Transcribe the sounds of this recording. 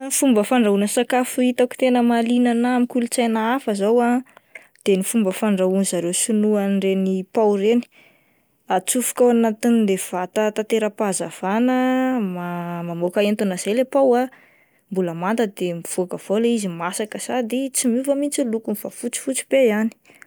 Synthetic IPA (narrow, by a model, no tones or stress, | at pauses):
fumbəfaɳɖ͡ʐaunəsakafuit̪aku̥t̪enəmalinanaamikulut͡sajnaafəzawa | d̪̥enifumbəfaɳɖ͡ʐaunizaɾewsunuanrenipawɾeni̥ | at͡sufu̥kawanat̪inid̪ev̥at̪at̪at̪eɾəpazav̥anəmamamokaent̪unaz̥ajlepawa | mbuləmant̪əd̪emiv̥oakəv̥olaizimasakəz̥ad̪et͡simuvəmint͡silukunivafut͡si̥fut͡si̥b̥ejani̥